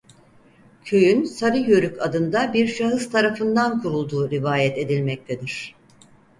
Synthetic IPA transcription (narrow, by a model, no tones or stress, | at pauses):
cʰø̞jynsaɾɯjøɾykʰad̪ɯnd̪abiɾʃaɦɯz̥t̪ʰaɾafɯnd̪ankʰuɾulˠd̪uːɾivaːjɛt̪e̞d̪ilʲmɛc̚t̪ʰed̪iɾ̝̥